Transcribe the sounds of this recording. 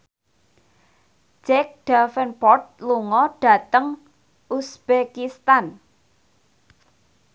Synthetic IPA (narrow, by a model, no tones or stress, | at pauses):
d͡ʒɛk̚ɖ̥afənpɔrt̪̚luŋɔɖ̥ä̤t̪əŋ | ʔusb̥ekist̪an